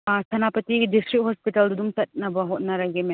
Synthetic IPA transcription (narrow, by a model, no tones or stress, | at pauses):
sʰɐnapɐtiɡidistɾik̚t̚hospitɐlduduŋtɐt̚nɐbɐɦot̚nɐɾaɡeme